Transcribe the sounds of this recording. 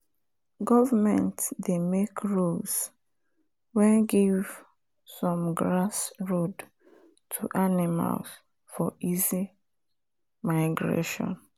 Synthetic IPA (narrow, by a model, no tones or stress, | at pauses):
ɡɔvamɛ̰̃ntdemekʰɹos | wɛ̃nɡiv | sɔ̃mɡɹasɹod | tʰuʔanima̰ls | fɔizi | maɪɡɹḛʃɔ̰̃n